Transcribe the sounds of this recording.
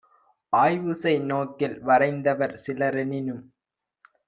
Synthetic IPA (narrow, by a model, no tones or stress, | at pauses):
ʔaːjʋɯsɐɪnoːkːɪlʋɐɾɐɪnd̪ɐʋɐɾsɪlɐɾɛnɪnɯm